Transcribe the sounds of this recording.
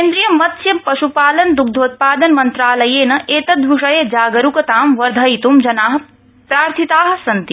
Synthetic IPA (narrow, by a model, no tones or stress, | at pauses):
keːnd̪ɾijɐmɐt̪sjɐpɐʃupaːlɐnd̪uk̚d̪ʱoːt̪̚paːd̪ɐnmɐnt̪ɾaːlɐjeːnɐʔeːt̪ɐd̪ʋuʂɐjed͡ʒaːɡɐɾukɐt̪aːmʋɐɾd̪ʱɐit̪umd͡ʒɐnaːɦɐ̆ | pɾaːɾt̪ʰit̪aːɦɐ̆sɐnt̪i